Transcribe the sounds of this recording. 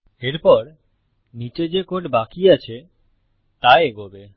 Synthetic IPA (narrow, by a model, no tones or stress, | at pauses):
eɾpɔɾ | nit͡ɕed͡ʑekoʈbakiat͡ɕʰe | t̪aeeɡobe